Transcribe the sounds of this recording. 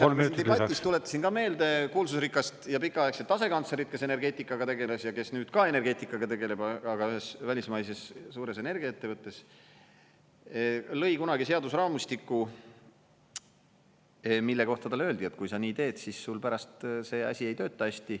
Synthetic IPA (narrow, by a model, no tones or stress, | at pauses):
olmieɑistt̪ule̞t̪ːˑɑ̥sinkɑme̞ːld̪e̞kuːlsusrikːˑɑst̪jɑpikːˑɑekset̪ɑse̞kɑnt̪seɾit̪̚ke̞se̞ne̞rɡe̞ːt̪ːˑikːˑɑɡɑt̪e̞ɡe̞lesjɑke̞snyːd̪̥kɑe̞ne̞rɡe̞ːt̪ːˑikːˑɑɡ̥ɑt̪e̞ɡe̞le̞bɑɑɡ̥ɑyɦe̞svælʲismɑjse̞ssuːɾe̞se̞ne̞rɡ̥iɑet̪ːe̞vɤt̪ːˑe̞s | lɤ̞jkunɑɡise̞ɑd̪usrɑːmust̪ikːˑu | milːe̞ko̞ht̪ɑt̪ɑleøːld̪̥ie̞t̪ːˑkujsɑniːt̪e̞ːd̪̥sisːulpæɾɑst̪se̞ːɑ̰sʲie̞jt̪ø̞ːt̪ˑːɑæsʲt̪i